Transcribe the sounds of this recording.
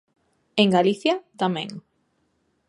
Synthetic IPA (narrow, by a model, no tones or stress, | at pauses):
eŋɡaliθjɐt̪amɛ̰̃ŋ